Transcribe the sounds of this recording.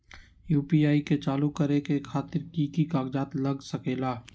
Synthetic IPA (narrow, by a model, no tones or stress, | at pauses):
juːpiaːiket͡ʃaːlukəɾekekʰaːt̪ɪɾkikikaːɡd͡ʒaːt̪lɐɡsəkeːlaː